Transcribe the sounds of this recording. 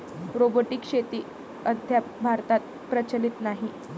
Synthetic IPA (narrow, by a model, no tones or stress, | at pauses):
ɾoboʈikʂet̪iː | əd̪ʱjabʱaɾt̪at̪̚ | pɾət͡ɕəlit̪naɦi